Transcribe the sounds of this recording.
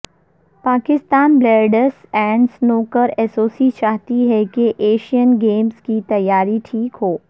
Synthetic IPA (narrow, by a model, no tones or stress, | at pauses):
paːkɪst̪aːnbleːɖəsɛ̃ːɳsnoːkəɾɛːsoːsit͡ʃaːɦt̪iɦɛkeʔeːʃijənɡeːmskit̪ɐjːaːɾiʈʰiːkɦoː